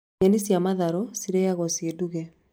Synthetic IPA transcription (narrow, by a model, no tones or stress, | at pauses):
enisjamaðaɾɔsiɾɛjaɣɔseduɣɛ